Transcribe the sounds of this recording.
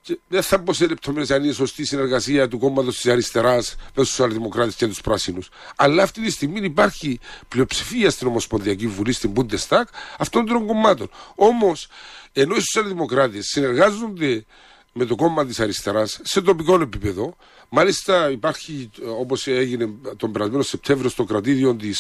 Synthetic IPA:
ceðeθɐboselep̚t̪ʰo̞meɾesɐnineso̞st̪isine̞ɾɣɐsiɐt̪uko̞mːɐt̪o̞st̪isɐɾist̪e̞ɾɐsmesosiɐlðimo̞kɾɐt̪escet̪uspɾɐsinus | ɐlːɐːft̪it̪ist̪iɣminipaɾçiplio̞psi̥fiɐst̪ino̞mo̞spo̞nðiɐcivːulist̪imbund̪est̪ɐkɐft̪ond̪ɾoŋɡo̞mːɐt̪o̞no̞mo̞se̞no̞isosiɐlðimo̞kɾat̪esːine̞ɾɣazːo̞nd̪e̞ | me̞t̪o̞ko̞mːɐt̪isɐɾist̪e̞ɾɐsːe̞t̪o̞piko̞ne̞pipe̞ðo̞ | malist̪ɐipɐɾçio̞po̞seʝine̞t̪o̞mbeɾɐzme̞nosːe̞p̚t̪ʰe̞ɱvɾio̞st̪o̞kɾɐt̪iðio̞nt̪is

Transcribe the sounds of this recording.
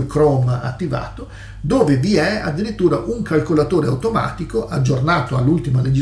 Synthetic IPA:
kɾɔːmaa̰t̪ːiva̰ːt̪o | d̪oːveviɛa̰d̪ːiɾit̪ːuːɾaʔuŋkalkolat̪oːɾeawt̪oma̰ːt̪ikoʔad͡ʒːornaːt̪oalːult̪imaled͡ʒi

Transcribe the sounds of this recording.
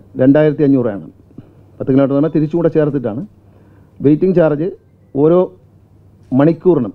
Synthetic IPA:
ɾe̞ɳɖaːjiɾɐt̪ːiɐɲːuːra̰ːɳɐ̰m | pɐt̪ːɐkːilaːʈːɨnɐmːɐt̪iɾit͡ɕːukuːɳɖɐt͡ɕeːrɐt̪̬ːiʈːa̰ːɳɨ | ʋe̞jtːiŋɡt͡ɕeːrɐd͡ʑɨ | o̞ːɾo̞ː | mɐɳikʲːuːrɐɳɐm

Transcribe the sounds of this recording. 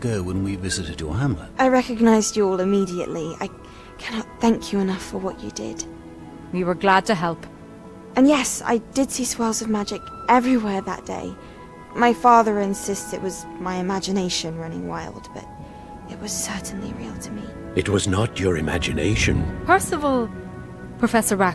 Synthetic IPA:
ɡ̥oʊwə̃nwivɪzɨɾɨdjə̰˞ɦæ̃mlə̰ʔaɪɹɛkɨɡ̚naɪzd͡ʒɨɔlˠɨmiɾiɨ̰ʔlia̰ɪ | kʰænɑt̪̚θæ̃ŋkʰjɨɨnʌfə˞wʌt͡ʃɨ̰dɪ̰d̥ | wiwə˞ɡlad̚tʰɨɦɛlˠp | ɨ̃njɛsa̰ɪdɨd̥siswɛlˠzʌvmæd͡ʒɨkɛvɹiwɛɹðə̰t̚d̥ḛɪ | maɪfɑðə˞ɨ̃nsɪstsɨʔwʌzmaɪɨmæd͡ʒɨneɪʃɨ̃nɹʌnɪ̰̃ŋwa̰ɪlˠd̚b̥ʌ̰ɾ | ɨt̚wʌz̥sɜ˞ʔn̩lḭɹilˠtʰɨmḭ | ɨt̚wʌznət͡ʃə˞ɨ̰mæ̰d͡ʒɨ̰nḛɪʃɨ̰̃npʰɜ˞səvɔlˠ | pʰɹ̥ɨfɛsə˞ɹa

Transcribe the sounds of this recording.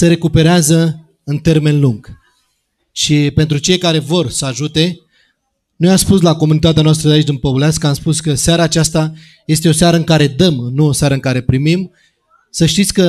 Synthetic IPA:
seɾe̞kupe̞ɾeazə | ɨnt̪e̞rme̞nluŋɡ̥ | ʃipe̞nt̪ɾut͡ʃe̞jkaɾe̞vo̞rsəaʒut̪e̞ | nujamspuslako̞munit̪at̪eanoast̪ɾəd̪eait͡ʃʲd̪ɨnpovuleat̪skəamspuskəseaɾaːt͡ʃast̪a | je̞st̪e̞o̞seaɾəɨŋkaɾe̞d̪əmnuoseaɾəɨŋkaɾe̞pɾimim | səʃt̪it̪sʲkə

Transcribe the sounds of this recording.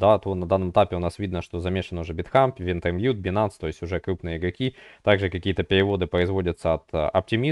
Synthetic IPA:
d̪at̪onɐd̪anːəmət̪apʲɪʊnasvʲid̪nəʂt̪o̞zɐmʲeʂənːəʊʐɛbʲɪt̪xampvʲɪnt̪ɛrmjut̪̚bʲɪnanst̪o̞jɪsʲtʲʊʐɛkɾupnɨjəɪɡɾɐkʲit̪aɡʐɨkɐkʲijət̪əpʲɪɾʲɪvo̞d̪ɨpɾəɪzvo̞dʲət̪səɐt̪ɐ̰p̚tʲɪmʲi

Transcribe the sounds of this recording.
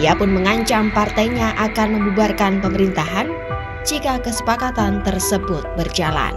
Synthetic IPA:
iapʊnməŋaɲt͡ʃampart̪ajɲaʔakanməmbubarkanpəməɾint̪aɦan | d͡ʒikakəsə̥pakat̪ant̪ərsəbʊt̪̚bərd͡ʒala̰n

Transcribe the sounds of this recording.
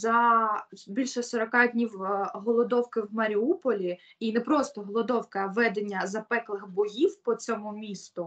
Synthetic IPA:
zɐ | bʲilʲʃɛsɔɾɔkɑdʲnʲiwɦɔlˠɔd̪ɔwkɪwmɐɾʲiupɔlʲi | inɛpɾɔst̪ɔɦɔlˠɔd̪ɔwkɐʋɛd̪enʲːɐzɐpɛklˠɪxbɔjiwpɔt̪sʲɔmumʲist̪ʊ

